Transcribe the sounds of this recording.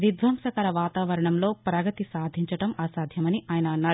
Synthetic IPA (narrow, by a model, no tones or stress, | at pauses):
ʋid̪ʋɐmʂɐkɐɾɐʋaːt̪aːʋɐɾɐɳɐmlo̞ːpɾɐɡɐt̪isaːd̪ʱiɲt͡ʃɐʈɐmaːsaːd̪ʱjɐmɐniʔaːjɐnɐːnːaːɾu